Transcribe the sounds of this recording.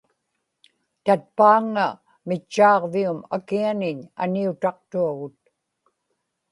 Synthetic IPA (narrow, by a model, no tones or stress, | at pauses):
t̪at̪̚paːŋːa | mɪt͡ʃːɑːʁviuma̰kianɪɲa̰niut̪ɑq̚t̪uaɣʊt̪̚